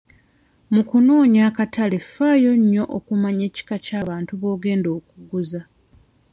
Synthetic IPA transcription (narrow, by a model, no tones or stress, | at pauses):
mukunoːɲaːkatale̞faːjo̞ɲːo̞ʔokumaɲe̞ːci̥kacaːβaːntuβo̞ːɡe̞ːndo̞ːkuɡuza